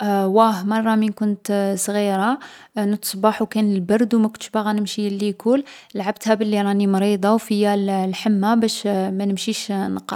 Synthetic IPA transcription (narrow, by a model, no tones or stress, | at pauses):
wæhmɑrˤːɑmənkʊnt̪sˤɣiɾanət̪ə̥sˤbɑħwkænəlbɑɾˤd̪wmækʊnʃbaɣænəmʃilːikul | lʕab̚t̪hæbəlːiɾˤɑnimɾid̪ˤɑwfəjːællħəmːabæʃmænəmʃiʃnqɑ̰